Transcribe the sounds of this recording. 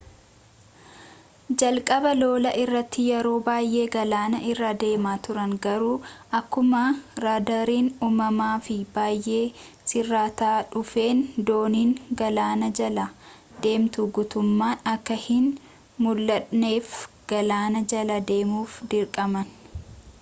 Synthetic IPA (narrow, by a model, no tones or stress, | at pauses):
d͡ʒɐlkʼɐbɐlo̞ːlɐʔɪrːɐt̪ːɪjɛɾo̞ːbaːjʔe̞ːɡɐlaːnɐʔɪrːaːd̪e̞ːmaːt̪ʊɾɐnɡɐɾuːʔɐkːʊmɐɾaːd̪aɾiːnuːmɐmaːfɪbaːjʔe̞ː | sɪrːaːt̪aːᶑʊfe̞ːnd̪o̞ːniːnɡɐlaːnɐd͡ʒɐlɐ | d̪̥e̞ːmt̪uɡʊt̪ʊmːaːnɐkːɐhɪn | mʊlːɐᶑneːf | ɡ̥ɐlaːnɐd͡ʒɐlɐd̪e̞ːmuːfd̪ɪɾkʼɐmɐn